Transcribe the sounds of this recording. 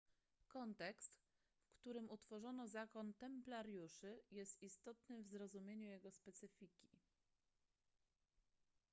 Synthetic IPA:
kɔnt̪ɛkst̪ | fkt̪uɾɘmut̪fɔʐɔnɔzakɔnt̪ɛmplaɾjuʂɘjɛst̪ist̪ɔt̪nɘvzɾɔzumʲjeɲujɛɡɔspɛt̪sɘfʲikʲi

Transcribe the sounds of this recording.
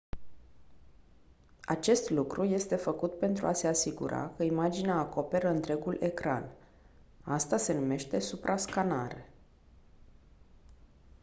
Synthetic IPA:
a̰t͡ʃe̞st̪lukɾuje̞st̪e̞fəkut̪̚pe̞nt̪ɾuase̞asiɡṵɾa̰kəimad͡ʒineaːko̞pe̞ɾəɨnt̪ɾe̞ɡulʔe̞kɾa̰n | ast̪ase̞nume̞ʃt̪e̞supɾʔaskanaɾe

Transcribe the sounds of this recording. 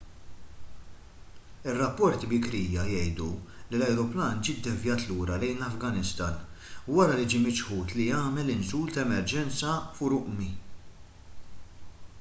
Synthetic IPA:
ɪrːɐpːɔɾt̪ibɪkɾiːjɐjɛjd̪ulilɐjɾɔplɐːnd͡ʒiːd̪ːɛvjɐːt̪luːɾɐlɛjnlɐfɡɐnɪst̪ɐːnwɐɾɐlid͡ʒiːmɪt͡ʃħuːt̪lijɐːmɛlɪnsuːlt̪ɐɛmɛɾd͡ʒɛnt͡sɐfʊɾʊʔmi

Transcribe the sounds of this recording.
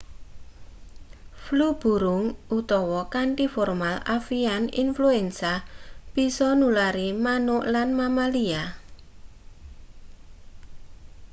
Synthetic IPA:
flub̥ṳɾʊŋʔut̪ɔwɔkaɳʈifɔrmalafianḭnfluɛnsab̥isɔnulaɾimanʊʔlanmamalia

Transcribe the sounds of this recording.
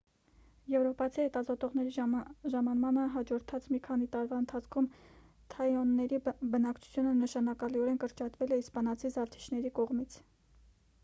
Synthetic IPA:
jɛvɾɔpɑt͡sʰihɛt̪ɑzɔt̪ɔʁnɛɾiʒɑmɑnmɑnəɦɑd͡ʒɔɾt̪ʰɑt͡smikʰɑn̪it̪ɑɾvɑənt̪ʰɑt͡sʰkʰum | t̪ʰɑjɔnːɛɾibənɑkt͡ʃʰu̥t͡sʰjunənəʃɑnɑkɑliɔɾɛnkəɾt͡ʃɑt̪vɛlɛispɑnɑt͡sʰizɑft̪ʰi̥t͡ʃʰnɛɾikɔʁmit͡sʰ

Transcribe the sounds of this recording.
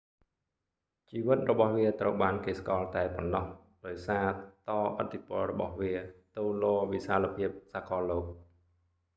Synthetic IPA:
t͡ɕiːʋɨt̪̚rɔɓɑhʋiət̪rəwɓaːnkeːskɑːlt̪aɛponːɑh | ɗaɔjsaːt̪ɑːʔə̰t̪ʰːipŏəlrɔɓɑhʋiət̪uːloːʋisaːlapʰiəp̚saːkɑːloːk̚

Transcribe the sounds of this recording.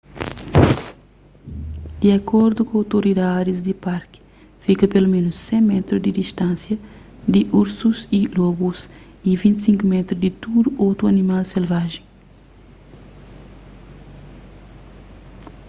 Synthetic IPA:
d̪̥iɐkʰɔɾd̪ukõawt̪oɾid̪ad̪izd̪ipaɾki̥ | fikɐpelumẽnusːẽmɛt̪ɾud̪id̪iʃt̪ãnsjɐ | d̪iʔuɾsuzilɔbus | ivĩnt̪sĩŋkumɛt̪ɾud̪it̪ud̪uʔowt̪ɾuɐnimalselvaʒẽ

